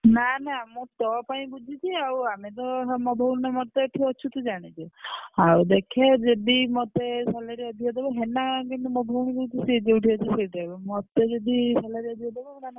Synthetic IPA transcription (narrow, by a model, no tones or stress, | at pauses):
nanamũʈ̪ɔpaĩbud͡ʒʱit͡ʃʰiawamet̪ɔɦmɔbʱɔwnnemɔt̪ɔʈʰiɔt͡ʃʰut̪ud͡ʒaɽ̃it͡ʃʰuawd̪ekʰed͡ʒed̪imɔt̪esɔlaɾiɔd̪ʱijɔd̪ebɔɦenakenemɔbʱɔwnkut͡ʃ̪ʰised͡ʒewʈʰiat͡ʃʰiseʈibɔmɔt̪ed͡ʒed̪isalaɾiɔd̪ʱijɔd̪ebɔmnana